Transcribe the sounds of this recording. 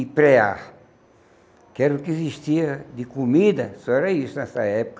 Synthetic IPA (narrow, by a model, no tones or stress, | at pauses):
ipɾɛa | kɛɾukeziʃt̪iɐd̪ɪkumid̪ɐsɔɛɾɐisunɛsɐɛpu̥kɐ